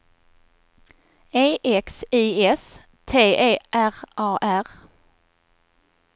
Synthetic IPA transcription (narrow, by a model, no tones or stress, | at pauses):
eːʔɛksiːɛs | t̪ʰeːʔeːʔæʁʔɑːʔæʁ